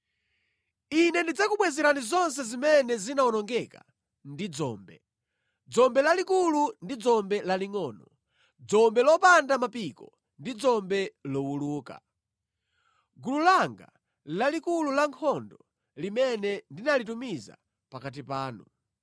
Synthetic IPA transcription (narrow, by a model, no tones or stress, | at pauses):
inɛndid͡zakuɓwɛzɛɾanizɔns̬ɛzimɛnɛzinaɔnɔŋɡɛka̰ | ndid͡zɔ̰ːmbɛ | d͡zɔmbɛlalikulundid͡zɔmbɛlaliŋɔːnɔ | d͡zɔmbɛlɔpandamapikɔ | ndid͡zɔmbɛlɔwuluːka̰ | ɡululaŋɡa̰ | lalikululaŋkʰɔndɔ | limɛnɛndinalitumiza̰ | pakat̬ipaːnṵ